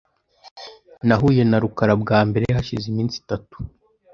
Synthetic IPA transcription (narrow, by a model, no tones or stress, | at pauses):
naɦuje̞naɾukaɾabɡaːmbe̞ɾehaʃizimiːnsi̥tatu̥